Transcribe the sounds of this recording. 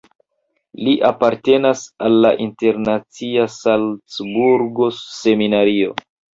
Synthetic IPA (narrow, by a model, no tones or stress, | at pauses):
liʔapaɾte̞nasalːaʔinte̞ɾnat͡siasalt͡sbuɾɡo̞se̞minaɾio̞̰